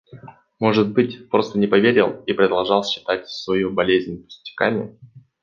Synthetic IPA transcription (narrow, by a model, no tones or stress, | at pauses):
mo̞ʐɨt̪̚bɨtʲpɾo̞st̪ənʲɪpɐvʲeɾʲɪ̰lˠipɾɪd̪ɐlˠʐɑlˠɕːɪ̥t̪at̚ʲsvɐjubɐlʲezʲnʲpʊ̥sʲtʲɪ̥ka̰mʲɪ̰